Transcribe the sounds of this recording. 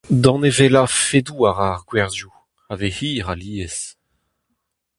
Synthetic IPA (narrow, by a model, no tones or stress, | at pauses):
d̪ɑ̃nevelafed̪uːaʁaʁɡwɛʁzju | avehiːʁaliːes